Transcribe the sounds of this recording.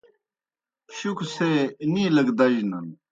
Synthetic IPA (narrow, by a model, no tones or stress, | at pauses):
ɕukʰseniːlɐɡd̪ɐʑnɐn